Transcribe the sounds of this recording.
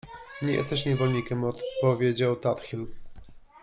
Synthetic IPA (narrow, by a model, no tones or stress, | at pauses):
ɲɛjɛ̰st̪ɛɕɲɛvɔlɲikʲɛmɔt̪pɔvʲjed͡ʑawt̪at̪xʲil